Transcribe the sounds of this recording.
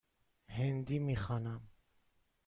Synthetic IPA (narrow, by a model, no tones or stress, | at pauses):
hɛnd̪imiχanam